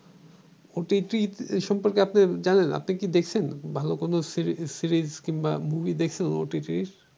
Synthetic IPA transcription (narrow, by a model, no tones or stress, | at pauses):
oʈiʈɾiʃɔmpoɾkeapned͡ʑanena̰pnikid̪ekʰt͡ɕʰenbʱalokonosisiɾizkiŋbamubʱid̪ekʰt͡ɕʰeno̰ʈiʈɾiɾ